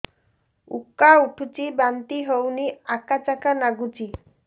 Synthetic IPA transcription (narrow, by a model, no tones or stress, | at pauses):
ṵkauʈʰut͡ʃibant̪iɦowniakat͡ʃakanaɡut͡ʃi